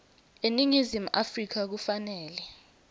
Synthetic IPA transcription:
eniŋizimuʔafrik̬ak̬ufanɛːlɛ

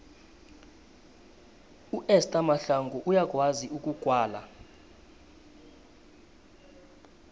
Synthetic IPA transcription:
uʔɛstʼamaɬaŋɡɔʔujak̬ʼwaziʔukʼukʼwaːla̰

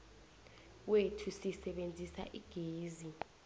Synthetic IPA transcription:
wetʰusisɛɓend͡zʱisa̰ʔiɡ̥ʱeːzi

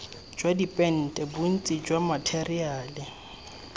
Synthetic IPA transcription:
d͡ʒwadipʼɛn̩tʼɛbun̩t͡sʼid͡ʒwamatʰeriaːlɪ

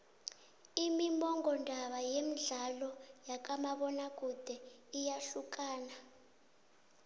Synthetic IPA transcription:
imimɔŋɡʱɔndʱaɓajemiɮalɔjak̬ʼamaɓɔnak̬ʼud̥ʱɛijaɬukʼaːna

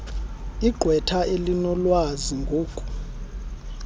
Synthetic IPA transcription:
iɡ͡ǃʱwɛtʰaelinɔlwaziŋɡʱoːkʼu̥

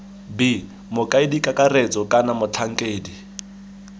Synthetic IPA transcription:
bi | mʊkʼaidikʼakʼaret͡sʼɔkʼanamʊt͡ɬʰaŋ̩kʼeːdi

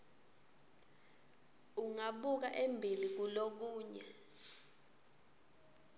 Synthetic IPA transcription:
uŋaɓuk̬aʔembʱilik̬ulok̬uːɲɛ̰

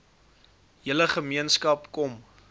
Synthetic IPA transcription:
jələχəmiənskɐpkɔm

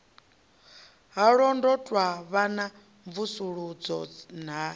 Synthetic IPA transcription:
ɦaɺɔndɔtʼwaβana | ɱvusuɺud͡zɔn̤a

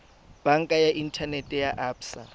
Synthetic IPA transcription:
b̥aŋ̩kʼajaʔin̩tʰanɛtʼɛjaʔaːpʰsa̰

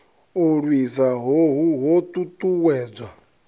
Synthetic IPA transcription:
oɺwizaɦoɦuɦot̪ʼut̪ʼuwɛːd͡zʷa

